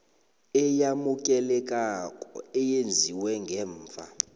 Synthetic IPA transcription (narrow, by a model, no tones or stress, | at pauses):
ɛjamukʼɛlɛkʼakʼɔ̰ɛjend͡zʱiwɛŋɡʱɛːɱːa̰